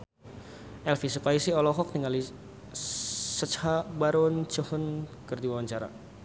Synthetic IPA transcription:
ʔɛlfisukaisiɔlɔɦɔk̚t̪iŋɡali | sət͡ʃhabaɾɔnt͡ʃəhənkərdiwawaɲt͡ʃaɾa̰

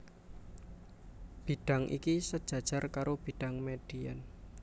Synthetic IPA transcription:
b̥i̤ɖ̥a̤ŋʔḭkisəd̥ʒ̥ä̤d̥ʒ̥a̤rkaɾob̥i̤ɖ̥a̤ŋmeɖ̥ia̰n

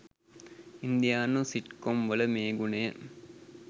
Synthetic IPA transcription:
ɪnd̪ɪjaːnusɪʈkomʋɐlɐmeːɡʊnɐjɐ

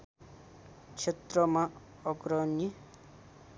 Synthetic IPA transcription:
t͡ʃʰet̪ɾʌma | ʌɡɾʌni

